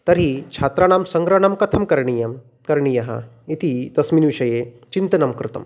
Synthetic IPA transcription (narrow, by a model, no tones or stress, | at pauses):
t̪ɐɾit͡ʃʰat̪ɾaːnaːmsɐŋɡɾɐɳɐmkɐt̪ʰɐmkɐɾɳijɐm | kɐɾɳijɐɦɐ̰ | it̪id̪ɐsmiːnʋiʃɐje | t͡ʃint̪ɐnɐmkɾɪt̪ɐ̰m